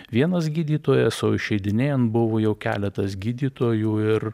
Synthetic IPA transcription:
ʋʲiɛnɐsɡʲiːd̪ʲiːt̪oːjɛsoːɪʃʲɛɪd̪ʲɪnʲeːjɛnbʊʋoːjɛʊkʲæ̰ːlʲɛt̪ɐsɡʲiːd̪ʲiːt̪oːjuːɪɾ

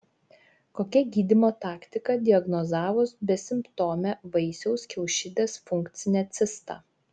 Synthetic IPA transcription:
koːkʲɛɡʲiːd̪ʲɪmoːt̪ɑːkt̪ʲɪkɐd̪ʲɪɐɡnozɑːʋʊsbʲɛsʲɪmpt̪oːmʲɛʋɐɪsʲɛʊskʲɛʊʃʲɪːd̪ʲeːsfʊŋkt̪sʲɪnʲɛt̪sʲɪst̪ɑ̰ː

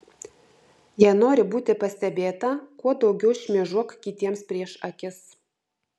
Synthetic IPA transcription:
jæːnoːɾʲɪbuːt̪ʲɪpɐsʲt̪ʲɛbʲeːt̪ɐkuɔd̪ɒʊɡʲɛʊʃʲmʲiɛʒuɔkkʲɪt̪ʲiɛmspʲɾʲiɛʃɐkʲɪs

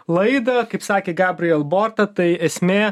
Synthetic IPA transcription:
lˠɐɪd̪ɐkɐɪpsɑːkʲeːɡɑːbʲɾʲɪjɛlˠboːɾt̪ɐt̪ɐɪɛsʲmʲeː

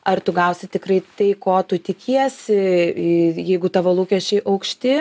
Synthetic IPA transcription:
ɐrt̪ʊɡɐʊsʲɪt̪ʲɪkrɐɪt̪ɐɪkoːt̪ʊt̪ʲɪkʲʰiɛsʲɪ | jɛɪɡʊt̪ɐʋoːlˠuːkʲɛʃʲt͡ʃʲɛɪʔɐʊkʃʲt̪ʲɪ

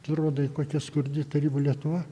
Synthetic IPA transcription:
t̪ɪɾoːd̪ɐɪkoːkʲɛskʊɾʲd̪ʲɪt̪ɐɾʲiːbɐlʲiɛt̪ʊʋɐ

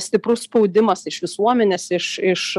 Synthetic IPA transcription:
sʲt̪ʲɪpɾʊsspɒʊd̪ʲɪmɐsɪʃʋʲɪsuɔmʲɛnʲeːsɪʃɪʃ

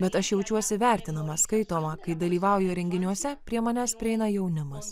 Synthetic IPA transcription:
bʲɛt̪ɐʃjɛʊt͡ʃʲuɔsʲɪʋʲæˑɾʲt̪ʲɪnɐmɐskɐɪt̪oːmɐkɐɪd̪ɐlʲiːʋɑˑʊjʊɾʲɛŋʲɡʲɪnʲuɔsʲɛpʲɾʲiɛmɐnʲæːspʲɾʲɪɛɪnɐjɛʊnʲɪmɐs

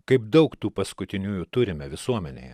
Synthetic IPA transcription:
kɐɪpd̪ɐʊkt̪uːpɐskʊt̪ʲɪnʲuːjʊt̪ʊɾʲɪmʲɛʋʲɪsuɔmʲɛnʲḛjɛ

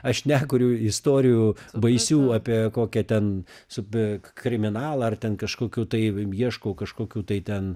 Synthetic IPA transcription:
ɐʃnʲæːkʊɾʲuːɪst̪oːɾʲɪjuːbɐɪsʲuːɑːpʲiɛkoːkʲɛt̪ʲɛnsʊpkɾʲɪmʲɪnɑːlˠɐɐrt̪ʲɛnkɐʃkoːkʲuːt̪ɐɪjiɛʃkoːkɐʃkoːkʲuːt̪ɐɪt̪ʲɛn

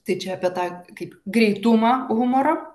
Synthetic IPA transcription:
t̪ɐɪt͡ʃʲɛɐpʲiɛt̪ɑːkɐɪpɡɾʲɛɪt̪ʊmɐːɣʊmoɾo

